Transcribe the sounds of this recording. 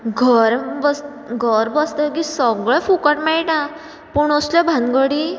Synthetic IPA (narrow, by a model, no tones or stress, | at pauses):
ɡʱəɾbəs | ɡʱəɾbəst̪ək̬isəɡɭɛfukəʈmɛɭʈã | puɳ̃ɔslɔbʱãnɡəɽi